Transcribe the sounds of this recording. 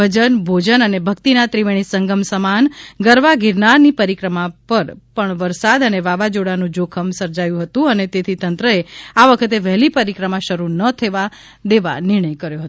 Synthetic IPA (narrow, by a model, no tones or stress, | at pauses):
əd͡ʒənbʱod͡ʒənənebʱəkt̪inat̪ɾiʋeɽ̃isəŋɡəmsəmanɡəɾʋaɡʱiɾnanipəɾikɾəmapəɾpəɳʋəɾsad̪əneʋaʋad͡ʒoɽanũd͡ʒokʰəmsəɾd͡ʒajũɦət̪ũənet̪et̪ʰit̪ənt̪ɾəeaʋəkʰət̪eʋɛɦlipəɾikɾəmãʃəɾunət̪ʰəʋa | d̪eʋa̰nɪɾɳ̃əjkəɾjoɦət̪o